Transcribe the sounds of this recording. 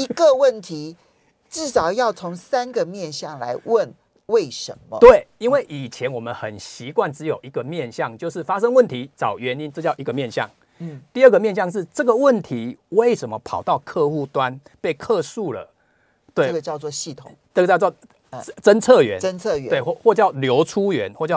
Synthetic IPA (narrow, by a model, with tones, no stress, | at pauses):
i˧˥ɡə˨wə˥˨nt̪ʰi˨˦ | ʈ͡ʂɻ̩˥˩ʂɑ˨˩ʊjɑ˥˩ʊt͡sʰo˧˦ŋsa˦nɡə˨mjɛ˥˨nɕjɑ˥˨˩ŋla̰˧˦ɪwə˥˨n | we˥˩ɪʂə̰˧˦nmə̰˦t̪we˥˨˩ɪi˦nwe˥˩ɪʔi˨˩t͡ɕʰjɛ˨˦nwɔ˨˩mə˨˦nxə˨˩nɕi˨˦kwa˥˩nt͡sɻ̩˧˦jo˨˩ʊi˨˦ɡə˨mjɛ˥˧nɕjɑ˥˨ŋt͡ɕjo˥˧ʊʂɻ̩˥˩fa˦ʂ̬ə˥˦ŋwə˥˨nt̪ʰi˨˦t͡sɑ˨˩ʊɥɛ˨˦ni˦nt͡sɤ˥˧t͡ɕɑ˥˩ʊʔi˨˦ɡə˨mjɛ˥˧nɕjɑ̰˥˨ŋ̩˥˨ | t̪i˥˧ə˥˩ɡə˩mjɛ˥˧nɕjɑ˥˧ŋʂ̬ɻ̩˥˩ʈ͡ʂə˥˩ɡə˨wə˥˨nt̪ʰi˨˦we˥˩ɪʂə˧˦nmə˦pʰɑ˨˩ʊt̪ɑ˥˧ʊkʰɤ˥˧xu˥˩t̪wa˦n | pe˥˧ɪkʰɤ˥˧su˥˩lə̰˩ | t̪we˥˩˥ɡə˨t͡ɕjɑ˥˧ʊt͡swɔ˥˧ɕi˥˩t̪ʰʊ˨˩˦ŋt͡sə˥˩ɡə˨t͡ɕjʊt͡sɑ˥˩ | t͡sə˦˥nt͡sʰɤ˥˨ɥɛ̰˨˦nə˦nt͡sʰɤ˥˨˧we˥˩˥xwɔ˥˧t͡ɕjɑ˥˩ʊljo˧˥ʊʈ͡ʂʰu˦˥ɥɛ˨˦nxwɔ˥˧t͡ɕjɑ˥˨ʊ